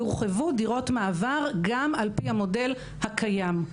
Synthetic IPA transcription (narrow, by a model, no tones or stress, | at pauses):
uʁχevudiʁo̞tmaːvaʁɡamalpihamo̞de̞l | hakʰajam